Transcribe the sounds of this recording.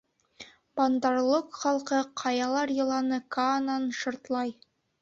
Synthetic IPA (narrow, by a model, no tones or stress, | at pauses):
b̥ɑnd̪ɑɾlˠɤqχɑlˠqɤqʰɑjɑlˠɑɾjɤ̆lˠɑnɤkanɑnʃŏɾt̪lˠɑj